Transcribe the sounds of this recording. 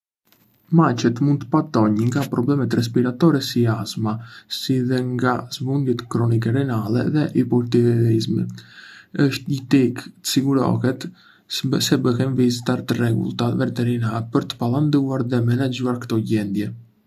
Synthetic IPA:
mat͡ʃɛt̪mund̪t̪əpat̪ɔɲəŋɡapɾɔblɛmɛt̪ɾɛs̬piɾat̪ɔɾɛsiazmasiðɛŋɡazbund̪jɛt̪kɾɔnik̬ɛɾɛnalɛ̰ðɛʔipɔlt̪ivɛlizmi | əʃt̪ɲət̪ikt̪ə̥siɡuɾɔ̰hɛt̪ | sɛbəɦɛnvizit̪aɾt̪ərɛɡṵlˠt̪avɛt̪ɛɾinaɾpəɾt̪ə̥palˠand̪uaɾðɛmɛnad͡ʑuaɾkət̪ɔɟɛnd̪jɛ

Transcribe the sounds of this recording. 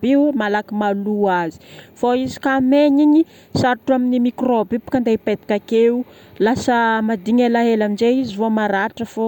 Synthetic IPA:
biwmalakimaluazi̥foizi̥kameɲiɲi | saɾʈ͡ʂuaminimikrobipu̥kand̪eped̪i̥kʲakeu | lasəmad̪iɲalaɦelamind͡ʒeizivomaɾaɾʈ͡ʂəfo

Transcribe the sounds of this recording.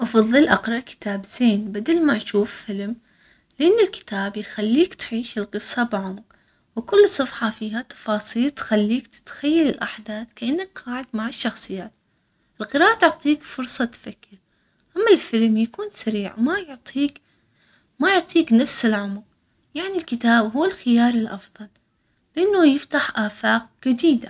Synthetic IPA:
ʔɑfɑðˤːɨlʔɑqɾˤɑʔkɪ̥t̪aːbz̥eːnbad̪almaʔaʃuːffɪlm | lɪʔɪnːɪlkɪ̥t̪aːbjxalːiːkt̪ʕiːʃɪlqɨsˤːɑbʕʊmq | wkʊlːsˤʊfħɑfiːhat̪ɑ̥fɑːsˤiːlt̪xalːiːkt̪t̪xajːalɪlʔaħd̪aːθkaʔɪnːakqɑːʕɪd̪maʕɪʃːɑxsˤɨjːaːt̪ | ʔɪlqɨɾɑːʔat̪ʊʕt̪ˤiːkfʊɾsˤɑt̪fakːɪɾ | ʔamːalfɪlmjakuːnsaɾiːʕmajʊʕt̪ˤʰiːk | majʊʕt̪ˤiːknafsɪlʕʊmq̚ | jaʕnilkɪt̪aːbɦʊːɪlxɪjɑːɾˤɪlʔɑfðˤɑl | lɪʔanːʊjɪft̪aħʔaːfaːq̚d͡ʒad̪iːd̪a

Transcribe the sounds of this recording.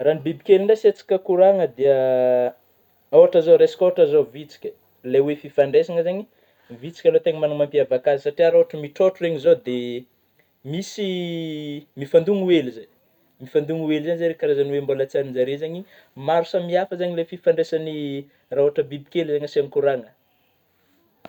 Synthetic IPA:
ranibibikʲelinaset͡si̥kʲəkuɾaŋəd̪eə | awaʈ͡ʂazoɾesi̥kʲoaʈ͡ʂazovit͡si̥kʲə̥ | lewefifaɳɖ͡ʐesaŋəzaɲi | vit͡si̥kʲalot̪eŋəmanumampiavakazisaʈ͡ʂiaɾoɦaʈ͡ʂəmiʈ͡ʂoʈ͡ʂureɲizod̪e | misi | mifand̪uŋuelizaj | mifand̪uŋuwelzanizaɾekaɾazaniwembolət͡saninzaɾezaɲi | maɾusəmiafəzaɲilefifaɳɖ͡ʐesani | raoaʈ͡ʂəbibikelzaɲasankuɾaŋə

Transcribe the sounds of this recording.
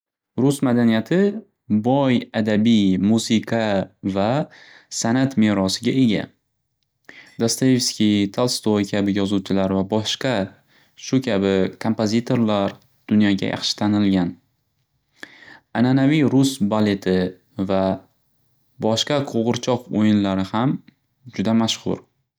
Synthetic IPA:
ɾʊsmad̪anijat̪ʰɪ | bɒjad̪abijmuzɪkʰɑva | sanat̪me̞ɾɒsɪɡʲae̞ɡʲa̰ | d̪̥ast̪ajefskʲit̪ʰalˠst̪ojkʲʰabɪjɒzuwt͡ʃʰɪlaɾvabɒʃqɑ | ʃʊkʲʰabɪkʰo̞mpʰozit̪ʰo̞ɾlaɾ | d̪̥ʊnjɒɡʲa̰jʔɑ̰χʃɪ̥t̪ʰanɪlɡʲan | ananavijɾʊsbale̞t̪ʰɪ | va | bɒʃqɑqʰoʁɨɾt͡ʃʰɒqojɪnlaɾɪham | d͡ʒʊd̪amaʃχʊ̰ɾ

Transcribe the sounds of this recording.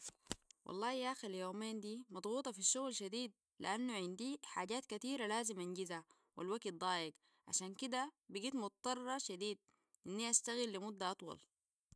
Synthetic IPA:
wʔɑ̰lˤːɑːhjaxiljoːmeːnd̪iːmɑd̪ˤɣuːt̪ˤɑfiʃːuɣlʃad̪iːd̪̚ | lḭʔanːuʕind̪iːħaːɟaːt̪̚kat̪iːɾalaːzimʔanɟiza | wa̰lwaɡt̪̚d̪ˤɑːjiɡ | ʕa̰ʃaːnkid̪abiɡiːt̪mʊt̪̚t̪ːˤɑrˤːɑʃad̪iːd̪̚ | ʔinːiʔast̪aɣilːimud̪ːaʔɑt̪ˤwɑ̰l

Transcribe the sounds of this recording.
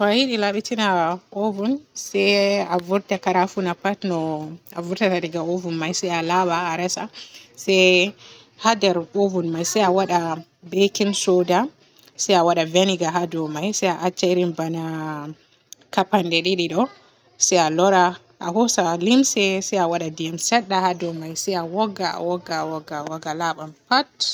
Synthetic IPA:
tɔajiɗilaɓitinaʔovunsɛavuɾtakaɾafunapatnɔavuɾtataɾiɡaovunmajsɛjalabaːɾɛsasɛ | hadɛɾovunmajsɛjawaɗa | bekinsoda | sɛjawaɗaveniɡaɦadɔmajsɛjaʔat͡ʃːaɾimbana | kapandɛɗiɗiɗɔ | sɛjalɔɾa | ʔa̰ɦɔsalimsɛsɛjawaɗadiɛmsɛɗːahadɔmajsɛjawɔɡːaa̰wɔɡawɔɡːawɔɡalaɓampat

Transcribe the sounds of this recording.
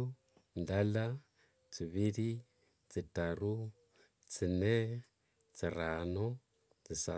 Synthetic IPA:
ndala | t͡siβiɾi | t͡sitaɾu | t͡sinɛ | t͡siɾanɔ | t͡sisa

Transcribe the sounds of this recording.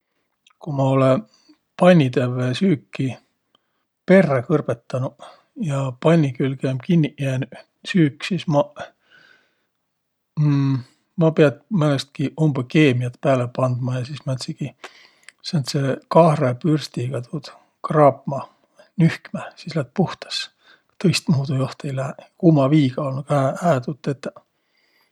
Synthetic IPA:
kumɑo̞le | pɑnʲːit̪evːesyːkːi | pe̞rːɑkɤrb̥et̪ːɑnu | jɑpɑnʲːikylɡ̥emkinʲːiʔjen | syːkːsismɑ | mɑpeɑd̪mænest̪̚kiʔumb̥ɑkeːmiɑt̪pæːlepɑnd̪̥mɑjɑsismæt̪siɡ̥i | sent̪sekɑhrepyrst̪iɡ̥ɑt̪ʰud̪̥ | krɑːpmɑ | nyhkmæsislæt̪̚puht̪ɑ̥s | t̪ɤjst̪muːd̪ujoht̪ejlækumɑviːɡ̥ɑolnuɡ̥æhæːt̪ut̪ːˑet̪ː

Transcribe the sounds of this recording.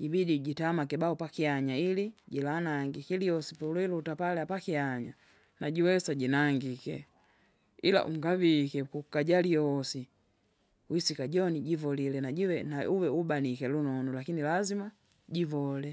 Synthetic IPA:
ɟibidiɟitamakɛbaupakiaɲailiɟilanaŋɡikɛliɔsipɛlwɛlutapalɛapakiaɲa | naɟiwɛsaɟinaŋɡikɛ | ila̰ʔṵŋɡavikɛkukaɟaliɔɔsi | wisikaɟɔniɟivɔlilɛnaɟiwɛnauwɛubanikɛlunɔnɔlakinilazima | ɟivɔlɛ

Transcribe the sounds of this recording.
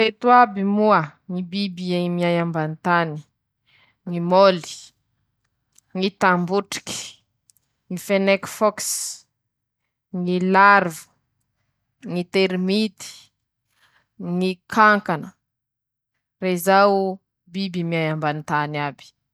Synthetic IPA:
et̪uabimuəŋibibimiajambanit̪ani̥ | ŋimoli̥ | ŋit̪ambuʈ͡ʂi̥ki̥ | ŋifenekfɔks | ŋilarvu̥ | ŋit̪eɾimit̪i̥ | ŋikʰaŋkanə | reizaw | bibimiajambanit̪anabi̥

